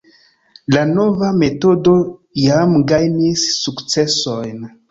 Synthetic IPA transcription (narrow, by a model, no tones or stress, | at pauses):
lano̞vame̞to̞do̞jamɡajnisːukt͡se̞so̞jn